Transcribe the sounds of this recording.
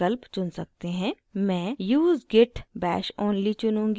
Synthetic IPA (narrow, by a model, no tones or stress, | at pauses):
əlpt͡ʃʊnsɐk̚t̪eɦɛ̃ː | mɛ̃ːjuːzɡɪʈbɛ̰ːʃoːnlit͡ʃʊnũːŋɡ